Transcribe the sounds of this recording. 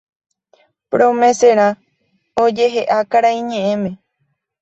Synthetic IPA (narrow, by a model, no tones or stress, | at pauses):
pɾomẽ̞seɾ̃ã | od͡ʒe̞ɦe̞ʔakaɾaĩɲẽ̞ʔẽmẽ